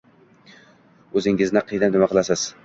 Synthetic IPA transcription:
ɵzɪŋɪznɪqʰɨjd̪anɪmaqɨlˠasɪz̥

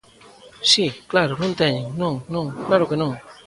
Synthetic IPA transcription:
ɕiklaɾolunt̪ɛɲiŋnuŋnuŋklaɾokenuŋ

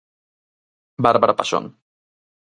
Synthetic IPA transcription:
baɾbaɾapaso̰n

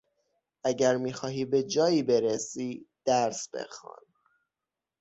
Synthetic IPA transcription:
æɟæɾmiːxɒːɦiːbe̞d͡ʒɒːiːbe̞ɾesiːd̪̥æɾsb̥ḛxɒ̰ːn

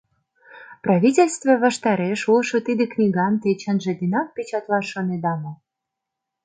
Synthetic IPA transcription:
prɑvʲitʲelʲst̪voβɑʃt̪ɑɾeʃulˠʃŏt̪id̪ĕknʲiɡɑnt̪et͡ɕə̆nʒĕd̪inɑk̚pʲet͡ɕɑt̪lɑʃoned̪ɑmŏ

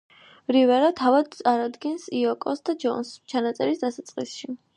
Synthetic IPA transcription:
ɾivɛɾat̪ʰavad̪̚t̪sʼaɾad̪ɡɛnsiɔkʼɔsd̪ad͡ʒɔ̰nst͡ʃʰanat̪sʼɛɾisd̪asat̪sʼqʼḭsʃi

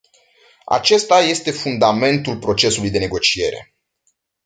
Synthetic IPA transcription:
a̰t͡ʃe̞st̪aje̞st̪e̞fund̪ame̞nt̪ulpɾo̞t͡ʃe̞sulujd̪e̞neɡo̞t͡ʃie̞̰ɾe̞̰

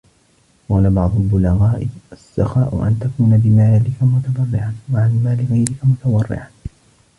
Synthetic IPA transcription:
qɑːlabɑʕd̪ˤʊlbʊlaɣaːʔɪasːɑxaːʔʊ̰ʔa̰nt̪akuːnabɪmaːalɪkamʊt̪ad̪ˤɑrˤːɪʕanwaʕalmaːlɪɣajɾɪkamʊt̪ɑwˤɑrˤːɪ̰ʕan

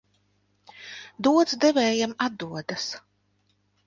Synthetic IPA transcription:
d̪uɔd̪zd̪ɛvɛːjamad̪ːuɔd̪as

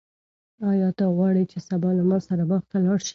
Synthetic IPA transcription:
ɑjɑt̪aɣwɑɽit͡ʃesabɑlamɑsaɾabɑxt̪alɑɽʃi̥

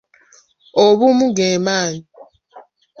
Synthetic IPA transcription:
oβumuɡeːmaːni

